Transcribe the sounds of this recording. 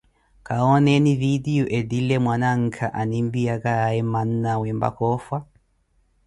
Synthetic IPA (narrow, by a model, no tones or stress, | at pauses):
kaɔnɛnividiɔʔɛdilɛmwanaŋ̩kʰaʔanimbiakaaɛman̩nawɛmba̰kɔfwa